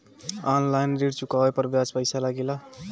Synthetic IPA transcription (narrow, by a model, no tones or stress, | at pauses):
anlajnɾiɽt͡ʃukaepʌɾbjat͡spəjsalaɡila